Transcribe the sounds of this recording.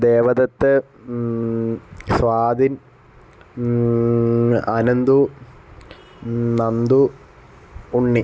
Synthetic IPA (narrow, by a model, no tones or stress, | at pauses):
d̪eːʋɐd̪ɐt̪ːɨ | sʋaːd̪in | ɐnɐnd̪u | nɐnd̪u | ɳːi